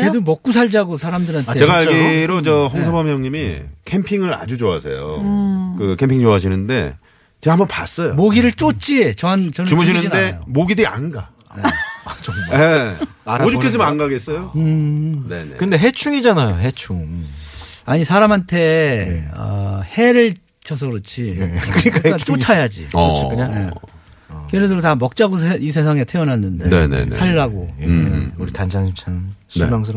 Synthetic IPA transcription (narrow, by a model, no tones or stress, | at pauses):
edomʌk͈̚usʰaɭd͡ʑaɡosʰaɾamdɯɾɦanʰee̞ɡaaɡiɾot͡ɕʌɦʌŋsʰʌbamjʌŋɲimikʰempʰiŋɯɾa̰d͡ʑud͡ʑoa̰sʰḛjo̰kɯkʰe̞mpʰiŋt͡ɕoaɕʰinɯnde̞̰ | t͡ɕeambʌpa̰s͈ʌjomoɡiɾɯɭt͡ɕ͈ot͡ɕ͈iet͡ɕʌnt͡ɕʌnt͡ɕumuɕʰinɯnnde̞omoɡidɯɾia̰nɡa | at͡ɕʌje | aɾod͡ʑokʰes̬͈ɯmʌanɡaɡe̞s͈ʌjo | nenḛkɯnde̞ɦe̞t͡ɕʰuŋid͡ʑanajoɦet͡ɕʰuŋ | aɲisʰaɾamɦantʰe̞ | ʌ̰he̞ɾɯɭ | t͡ɕʌs̬ʰʌɾɯt͡ɕʰikɯɾik͈aat͡ɕ͈ot͡ɕʰajad͡ʑḭikɯɲaje | keɾedɯɾotamʌk̚t͡ɕ͈aɡos̬eis̬ʰe̞s̬ʰaŋe̞tʰeʌnɦanːɯndeḛnḛsʰaɭːaɡo | uɾitand͡ʑaŋɕʰit͡ɕʰaŋɕnʰḛmaŋs̬ʰɯɾ